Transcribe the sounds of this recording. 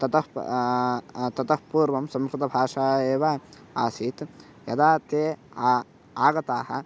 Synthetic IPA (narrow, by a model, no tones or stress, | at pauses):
t̪ɐt̪ɐh | t̪ɐt̪ɐhpuːɾʋɐmsɐmɾut̪ɐbʱaːʂaːeːʋa | aːsiːt̪ | jɐ̰d̪aːt̪eː | aːɡɐt̪aːhɐ̰̆